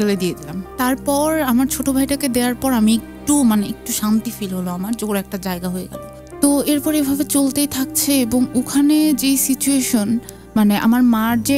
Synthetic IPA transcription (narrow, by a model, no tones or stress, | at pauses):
kʰeled̪ijed̪ilamt̪aɾpɔɾamaɾt͡ɕʰoʈobʱajʈaked̪ewaɾpɔɾamiek̚ʈumaneek̚ʈuʃant̪ifilɦoloamaɾd͡ʑoɾɛk̚ʈad͡ʑaeɡaɦoeɡɛ̰lo | t̪oeɾpɔɾebʱabet͡ɕolt̪ejt̪ʰakt͡ɕʰeeboŋokʰaned͡ʑejsit͡ɕueʃon | maneʔa̰maɾmaɾd͡ʑe